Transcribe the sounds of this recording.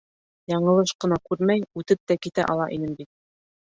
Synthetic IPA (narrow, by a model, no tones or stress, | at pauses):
jɑɴɤ̆lˠɤʃqɤ̆nɑkʉɾmæjʉt̪ɘp̚t̪ækit̪æ̰ʔɑlˠɑ̰ʔinɘmbit̪̚